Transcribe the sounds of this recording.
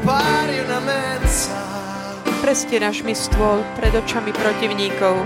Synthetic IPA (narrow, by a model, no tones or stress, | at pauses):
paɾiunamɛnsa | pɾɛscɛnaʃmist̪ʊɔlpɾɛd̪ɔt͡ʃamipɾɔciʊɲiːkɔʊ